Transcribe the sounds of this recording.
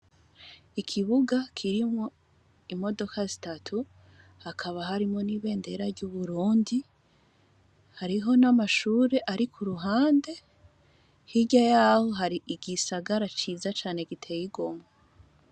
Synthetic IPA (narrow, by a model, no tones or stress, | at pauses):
ikʰiβuɡakʰiɾimŋo̞ | imo̞do̞kazitatʰu | hakʰaβaɦaɾimo̞niːβe̞ːnde̞ɾaɾɟuβuɾuːndi | haɾiɦo̞namaʃuːɾe̞ʔaɾikʰuɾuɦaːnde̞ | hiɟajaho̞ɦaɾiʔiɡisaɡaɾat͡ʃiːzat͡ʃaːne̞ɡitʰe̞jiɡo̞ma